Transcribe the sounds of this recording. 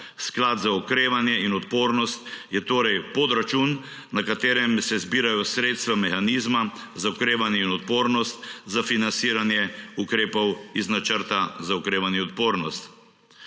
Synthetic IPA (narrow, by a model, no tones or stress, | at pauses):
sklad̪zaɔkɾeːʋanjɛinɔt̪poːɾnɔst̪jɛt̪oːɾɛjpɔd̪ɾat͡ʃun | nakat̪eːɾɛmsɛzbiːɾajɔsɾeːt̪st̪ʋamɛxaniːzmazaɔkɾeːʋanjɛinɔt̪̚poːɾnɔst̪̚zafinansiːɾanjɛukɾeːpɔwiznat͡ʃəɾt̪azaɔkɾeːʋanjɛɔt̪̚poːɾnɔst̪